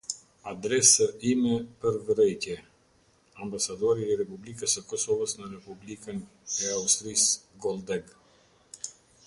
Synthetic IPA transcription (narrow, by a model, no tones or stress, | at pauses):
ad̪ɾɛsəimɛpəɾvɾɛjc̪jɛ | ambasad̪ɔɾiːɾɛpublikəsəkɔsɔvəsnəɾɛpublikən | ɛaust̪ɾisɡɔlˠd̪ɛɡ